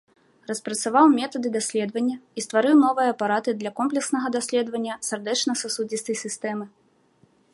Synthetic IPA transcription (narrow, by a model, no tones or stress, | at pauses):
rɐspɾɐt̪savawmʲɛt̪ɐd̪ɨd̪asʲlʲɛd̪vɐnʲːɐist̪vaɾɨwnɔvɨjɐːpaɾat̪ɨd̪lʲɐkɔmplʲɛksnɐɣɐd̪asʲlʲɛd̪vɐnʲːɐsʲard̪ɛt͡ʂnɐsasud͡zʲist̪ɐjsʲɨst̪ɛmɨ